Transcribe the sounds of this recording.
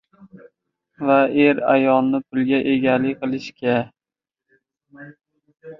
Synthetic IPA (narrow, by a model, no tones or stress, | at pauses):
vaeɾa̰jɒlˠnɪpʰʊlˠɡʲaʔe̞ɡʲalɪqʰɨlˠɪʃkʲʰa